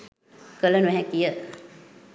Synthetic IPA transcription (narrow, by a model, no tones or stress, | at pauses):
kələnuɛɦɛkijə